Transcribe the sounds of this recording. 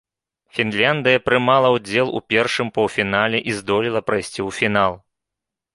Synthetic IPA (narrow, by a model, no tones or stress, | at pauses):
fʲinlʲand̪ɨjɐpɾɨmalˠɐwd͡zʲɛlˠṵpʲɛrʂɨmpɐwfʲinalʲɛʔizd̪ɔlʲilˠɐpɾɐjsʲt͡sʲiwfʲinalˠ